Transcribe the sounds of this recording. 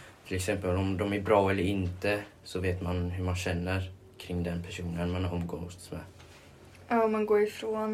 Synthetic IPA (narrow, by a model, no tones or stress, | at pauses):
t̪ʰɪlɛksɛmpəlɔmd̪ɔmæɾbɾɑːɛlːəɾɪnt̪əsɔveːt̪manɦɵɾmanɕɛnːəɾ | kʰɾɪŋːd̪ɛnpʰæʂuːnənmanɾɔmɡɔt̪smɛ̰ː | aːɔmanɡoːɾɪfɾoːn